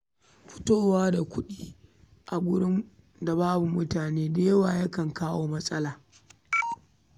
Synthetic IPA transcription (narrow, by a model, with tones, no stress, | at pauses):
ɸʊ̥˦toː˦waː˦da˨kʷʊ˦ɗiː˦ | ʔa˨ɡʷʊ˦ɽɪ˦m | da˨baː˦bu˨mʊ˦taː˨neː˦deː˦jwa˨jɐ˦kɐ˨ŋkaː˦woː˦mɐ˦sʼɐ˦laː˨